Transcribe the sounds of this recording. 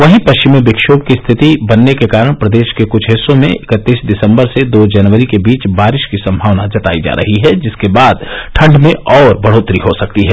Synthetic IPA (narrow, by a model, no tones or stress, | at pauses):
ʋɐɦĩpɐʃt͡ʃɪmeʋɪkʃoːb̚kist̪ʰɪt̪ibɐnːekekaːɾəɽ̃pɾɐd̪eːʃkekʊt͡ʃʰɦɪsõmḛ̃ɪkət̪ːiːsd̪ɪsə̃mbəɾsed̪oːd͡ʒɐnʋəɾikebiːt͡ʃbaːɾɪʃkisɐ̃mbʱaːʋnad͡ʒɐt̪a̰ːid͡ʒa̰ːɾʔɐ̰ɦiɦɛd͡ʒɪskebaːd̪ʈʰɐ̃ɳɖmẽʔɔːɾbɐɽ̤oːt̪ɾiɦosɐk̚t̪iɦɛː